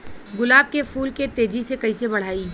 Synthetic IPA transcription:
ɡʊlaːb̚kefuːlket̪eːd͡ʒisekɐisebɐɽ̤aːi

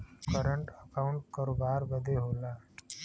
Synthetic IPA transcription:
kəɾəɳʈəkaʊɳʈ̚kəɾoːbaːɾbəd̪ʱeɦoːlaː

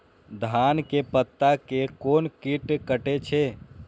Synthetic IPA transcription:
d̪ʱankepət̪ːakekoːnkiʈkəʈet͡ʃʰe

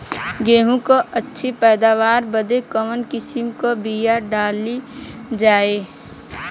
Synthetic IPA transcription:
ɡeːɦũkoətːʃʰepɛːd̪aːʋaːɾbəd̪ekəmənkɪsɪmkobijaɖaːlid͡ʒaːe

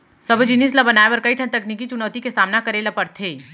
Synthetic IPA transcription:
səbd͡ʒinis̬labɐnaːebɐɾkɐiʈʰə̃t̪ɐkniːkit͡ʃʊnɔːt̪ikesaːmnakɐɾelapɐɾt̪ʰeː

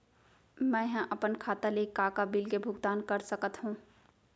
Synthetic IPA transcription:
mɛ̃ːjɦə̃ʔɐpənkʰaːt̪alekːaːkabilkebʱʊɡd̪aːnkəɾsəkət̪ɦũː

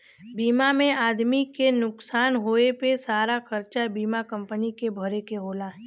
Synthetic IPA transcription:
biːmamẽaːd̪mikenʊksaːnɦoːepesaːɾakɐɾt͡ʃabiːmakɐ̃mpənikebʱəɾekeɦoːlaːɦ

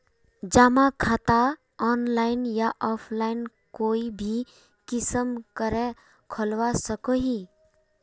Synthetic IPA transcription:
d͡ʒamakʰaːt̪a | ɔːnlaːɪnjaʔɔːpʰlaːɪn | koːibʱi | kɪsəmkəɾẽ | kʰɔlʋasəkoɦi

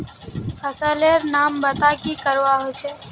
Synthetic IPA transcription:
pʰəsəleɾnaːmbət̪akikəɾʋaɦot͡ʃʰɛ

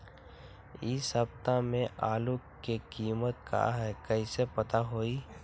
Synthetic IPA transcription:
ɪsɦɐb̚t̪amẽʔaːlu | kekiːmət̪̚ka̰ɦɛkɐɪsepɐt̪aɦoːiː

